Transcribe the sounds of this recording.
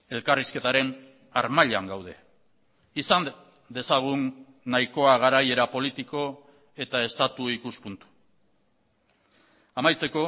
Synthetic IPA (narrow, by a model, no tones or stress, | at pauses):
e̞lkariske̞t̪aɾe̞n | aɾmaʎaŋɡawð̞e̞̰ | isan | d̪e̞saɣ̞unː | ajko̞aɣ̞aɾaje̞ɾapo̞lit̪iko̞ | e̞t̪ae̞st̪at̪uikuspunt̪u̥ | amajt͡se̞ko̞